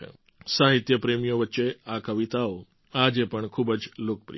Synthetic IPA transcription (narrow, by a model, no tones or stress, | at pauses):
saɦɪt̪jəpɾeːmijoʋətːʃeakəʋɪt̪ao | aːd͡ʒepəɳkʰuːbəd͡ʒloːkpɾḭ